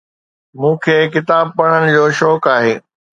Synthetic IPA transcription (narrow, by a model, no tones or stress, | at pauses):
mũːkʰeːk̬ɪt̪aːb̚pɐɽ̤̃ənɪ̆d͡ʑoːʃɔːkaːɦeː